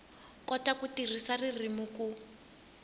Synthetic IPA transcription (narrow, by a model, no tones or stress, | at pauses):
kɔtakutir̤isaririmuku